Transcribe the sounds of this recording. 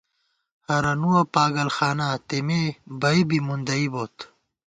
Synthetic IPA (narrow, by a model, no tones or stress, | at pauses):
hɐɾɐnuɐpaːɡɐlxaːnaːt̪emeːbɐibimund̪ɐiboːt̪